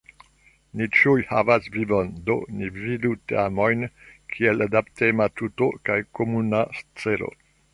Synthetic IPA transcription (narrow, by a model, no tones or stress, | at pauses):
nit͡ʃiujhavasvivondo̰nividuteamojnkʰieladaptematutokajkomunast͡selo̰